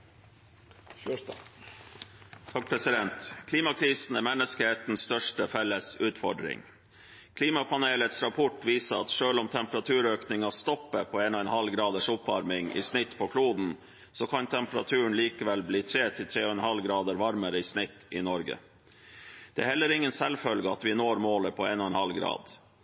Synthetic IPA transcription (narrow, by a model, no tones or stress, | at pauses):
t̪ʰɑːk̚pʰɾɛsɪd̪ɛnt̪kʰliːmɑkʰɾiːsn̩æmɛnːəskəheːt̪n̩sst̪œʂʈəfɛlːəsʉːt̪fɔ̰ɖɾɪ̰ŋ | kʰliːmɑpʰɑneːlət̪sɾɑpʰɔʈʋiːsəɾɑt̪ʂøːlʊmt̪ʰɛmpəɾɑt̪ʰʉːɾøːknɪŋɑst̪ɔpːəpʰoeːnɔɛnhɑlɡɾɑːd̪əʂʊpʋɑɾmɪŋḭsnɪt̪ːpʰokʰluːd̪n̩ | sokʰɑnt̪ʰɛmpəɾɑt̪ʰʉːəɳliːkəʋɛlbliːt̪ʰɾeːt̪ʰɪlt̪ʰɾeːɔɛnhɑlɡɾɑːd̪əɾʋɑɾməɾəɪsnɪt̪ːɪnɔɾɡə̰ | d̪̥ɛ̰æ̰hɛlːəɾɪŋːənsɛlfœlɡəɑt̪ʋɪnoːɾmoːləpʰɔeːnɔɛnhɑlɡɾɑ̰ːd̪